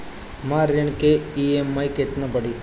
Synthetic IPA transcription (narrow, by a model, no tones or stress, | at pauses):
maːɾəɳ̃keiemːɐjket̪nabəɽi